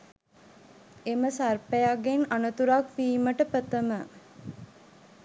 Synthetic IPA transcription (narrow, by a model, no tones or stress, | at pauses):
eməsarpejaɡenɐnət̪uɾakfiːməʈəpət̪əmə